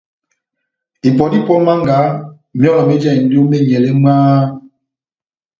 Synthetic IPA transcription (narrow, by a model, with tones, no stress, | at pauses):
i˨pɔ˨di˦pɔ˦lma˦ŋɡa˨˦ | mi˦ɔ˦lɔ˨me˦d͡ʒa˦˨i˨n˦do˦me˦˨ɲ˨ɛ˨lɛ˦maː˦